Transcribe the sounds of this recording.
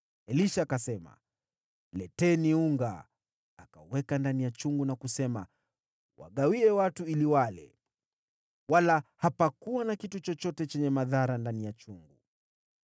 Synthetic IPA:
ɛliʃakasɛma̰ | lɛtɛniuŋɡa̰ː | kauwɛkandanijat͡ʃuŋɡunakusɛma | wa̰ɠawiɛwatuiliwalɛ̰ | walahapakuwanakitut͡ʃɔt͡ʃɔtɛt͡ʃɛɲɛmaðaɾandanijat͡ʃuŋɡu

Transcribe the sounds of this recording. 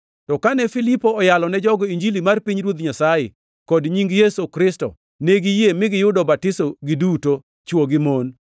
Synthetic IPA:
tɔkanɛfilipoːjalɔnɛd͡ʒɔɡɔiɲd͡ʒilimarpiɲɾwot̪ɲasajɛ̰ | kɔdɲiŋɡjesokɾɪstɔ̰ | neɡijemɪɡɪjʊdɔbatɪsoɡɪduto | t͡ʃwoɡɪmon

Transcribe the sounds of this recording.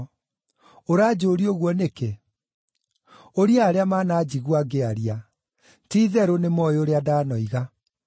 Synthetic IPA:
oɾaːd͡ʑoɾioɣwɔneke | oɾiaːɾeamaːnaːd͡ʑiɣwaɡeaɾia | tiːðɛɾonemɔeoɾeadaːnɔiɣa

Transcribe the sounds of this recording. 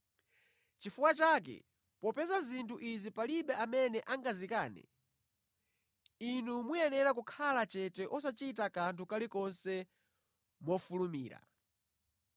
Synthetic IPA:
t͡ʃifukwat͡ʃaːk̬ɛ̰ | pɔpɛzazintʰuʔizipaliɓɛʔamɛnɛʔaŋɡazikaːnɛ̰ | inumujɛnɛɾak̬ukʰalat͡ʃɛtɛʔɔsat͡ʃit̬akantʰukalikɔnsɛ | mɔfulumḭːɾa̰

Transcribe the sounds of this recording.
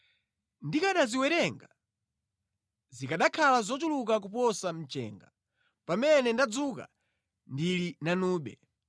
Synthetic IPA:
ndikaɗaziwɛɾɛŋɡa | zikaɗakʰalazɔt͡ʃuluk̬ak̬upɔsam̩t͡ʃɛ̰ːŋɡa | pamɛnɛndad͡zuka̰ | ndilinanuːɓɛ

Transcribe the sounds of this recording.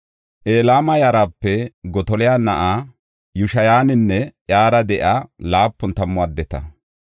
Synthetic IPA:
ʔeːlaːmɐjaːɾaːpːɛɡɔt̪ɔlɪjaːnɐʔaː | jʊʃɐjaːnɪnːɛʔjaːɾɐd̪ɛʔalaːpːʊnt̪ɐmːʊad̪ːɛt̪ɐ̰

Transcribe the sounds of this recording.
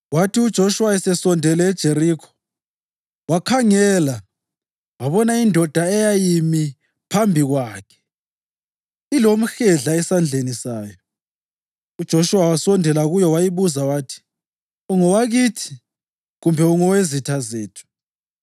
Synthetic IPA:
watʰiud̥ʒ̥ʱoʃuwaɛsɛsɔndʱɛlɛːd̥ʒ̥ʱeɾiːkʰɔ̥ | wakʰaŋɛːla | waβɔnaindʱɔd̥ʱaɛjajimi | pʰambʱiɣwaːkʰɛ̥ | ilom̩xɛɮaɛsand͡ɮʱenisaːjɔ | ud̥ʒ̥ʱoʃuwawasɔndʱɛlaɣujɔwajiβuzawatʰi̥ | uŋɔwaɣitʰi̥ | ɣumbʱɛuŋɔwezitʰazeːtʰu̥

